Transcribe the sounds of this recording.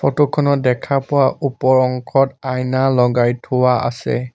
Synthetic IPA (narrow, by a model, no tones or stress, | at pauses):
fɔtokʰɔnɔdɛkʰapʊwaʔupɔɹɔŋkʰɔtajnalɔɡajtʰʊwaʔa̰sɛ̰